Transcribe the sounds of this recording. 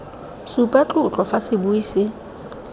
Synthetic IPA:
supʼat͡ɬʼʊt͡ɬʼɔfasɪbuiːsɪ

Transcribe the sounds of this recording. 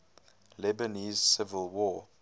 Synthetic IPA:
lɛbəniːz̥sɪvəlˠwɔ

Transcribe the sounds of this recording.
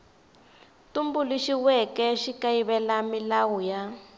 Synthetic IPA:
tumbuliʃiwɛkɛʃikaiβɛlamilawuja

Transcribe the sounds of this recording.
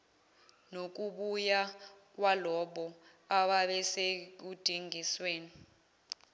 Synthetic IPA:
nok̬uɓujak̬walɔɓɔ | aɓaɓɛsek̬ud̥ʱiŋʱisweːni

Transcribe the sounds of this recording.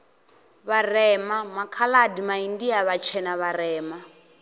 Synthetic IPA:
βarɛːmamakʰaladimaindiaβat͡ʃʰɛnaβarɛːma

